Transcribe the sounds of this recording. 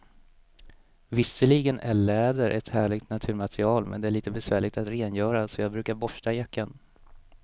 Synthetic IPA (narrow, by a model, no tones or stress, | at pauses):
vɪsːəɭiɡənʔæɭɛːd̪əɾʔɛt̪hæːɭɪɡ̚t̪nat̪ʰʉ̟ːɾmat̪ɾɪɑːlmɛ̰nd̪ɛæɭiːt̪əbɛsvæːɭɪɡ̚t̪at̪ɾeːnjœːɾasɔjɑːɡbɾʉ̟ːkaɾbɔʂʈajakːan